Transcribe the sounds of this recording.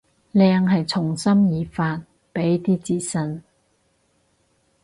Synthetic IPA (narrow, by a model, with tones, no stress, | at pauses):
lɛː˧ŋɦɐ˨jt͡sʰʊ˨˩ŋsɐ˥mjiː˨˧faː˧t̚ | pe˨˥jt̪iː˥t͡siː˧˥t̚sɐ˧n